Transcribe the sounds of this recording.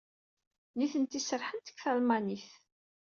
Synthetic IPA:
niθənt̪isəɾħənt̪ə̥kθælmaniθ

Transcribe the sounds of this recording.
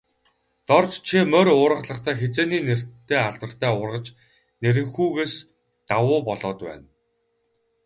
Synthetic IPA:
t̪ɔrt͡ɕt͡ɕʰimœɾʊːɾʁə̆ɮə̆χt̪ʰæːxet͡seːniːner̥t̪ʰːeːaɮt̪ə̆r̥t̪ʰæːʊrʁə̆t͡ɕ | neɾɘ̆ŋxuːɣeːs | t̪awʊːpɔɮɔːt̪pæ̰ːn

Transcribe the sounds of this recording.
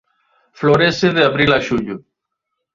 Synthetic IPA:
floːɾeːseðeəbɾiːlaːʃuːd͡ʑu

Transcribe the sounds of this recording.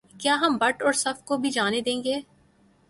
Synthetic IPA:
kjaːɦɐmbɐʈɔːɾsɐfkobʱid͡ʒaːned̪ẽːŋɡeː

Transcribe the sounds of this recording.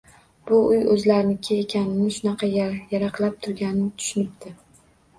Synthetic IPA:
b̥ʊʊjɵzlaɾɪnɪkʲʰeekʲʰanɪnɪʃʊnɑqʰɑjjaɾɑqlˠap̚t̪ʰʊɾɡʲanɪnɪt̪ʰʊ̥ʃɪnɪp̚t̪ʰɪ

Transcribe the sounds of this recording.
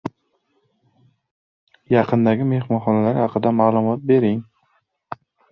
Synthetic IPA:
jɑqʰɨnd̪aɡʲɪme̞hmɒnχɒnalaɾhɑqʰɨd̪amaːlˠʊmɒt̪̚be̞ɾɪŋ

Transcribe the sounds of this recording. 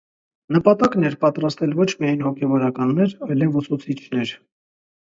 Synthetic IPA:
nəpɑt̪ɑknɛɾpɑt̪ɾɑst̪ɛlvɔt͡ʃʰmiɑjnhɔkʰɛvɔɾɑkɑnːɛɾɑjlɛvusut͡sʰit͡ʃʰnɛɾ

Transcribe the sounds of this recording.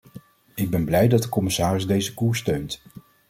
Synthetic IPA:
ɪɡ̚bɛnblɛjdɑt̚dəkɔmɪsaːrɪzdejzəkuːɹstøɥnt

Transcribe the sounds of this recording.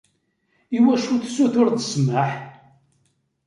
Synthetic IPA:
iwæʃuθsuθʊɾθə̥smaħ

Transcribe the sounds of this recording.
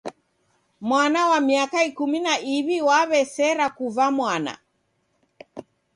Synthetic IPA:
mwanawamiakaikuminaʔiβiwaβɛsɛɾakuvamwana̰

